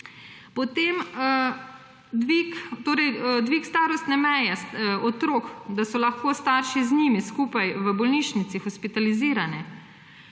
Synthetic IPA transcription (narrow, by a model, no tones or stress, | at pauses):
pɔt̪em | d̪ʋikt̪oːɾɛjd̪ʋiːkst̪aːɾɔst̪nɛmɛjɛsɔt̪ɾoːkd̪asɔlaxkoːst̪aːɾʃizniːmiskuːpajʋəbɔlniːʃnit̪sixɔspit̪aliziːɾanɛ